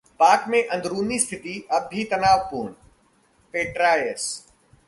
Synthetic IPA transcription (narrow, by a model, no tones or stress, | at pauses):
paːkmẽʔɐ̃nd̪ɾuːnist̪ʰɪt̪iɐbʱit̪ɐnaːʋpuːn | peːʈɾaːjəs